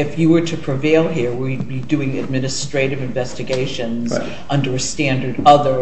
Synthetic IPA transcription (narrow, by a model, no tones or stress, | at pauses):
ɨfjɨwə˞ɾɨpʰɹ̥ɨveɪlˠɦiɹwid̚bidʉɪ̃ŋɨ̰d̚mɪ̃nɨstɹ̥eɪɾɨvɨ̃ɱvɛstɨɡeɪʃɨ̃nz | ʔʌ̃ndə˞stæ̃ndə˞ɾʌðə˞